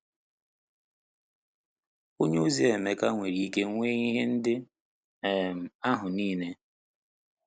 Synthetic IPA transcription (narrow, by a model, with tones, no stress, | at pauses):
o˦ɲe˦u˦zi˦e˨me˨ka˦ŋʷe˨ɾi˦ke˦ŋʷe˦ɣi˦ɦe˦n̩˦dɪ˦ | e˦˨m̩˨a˦ɦʊ˨niː˦ne˦